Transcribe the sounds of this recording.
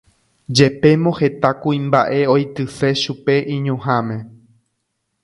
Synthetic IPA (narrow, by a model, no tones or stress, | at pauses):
d͡ʒe̞pe̞mõhe̞t̪akuĩmbaʔe̞ojt̪ɨse̞ʃupe̞ʔĩɲõɦãmẽ̞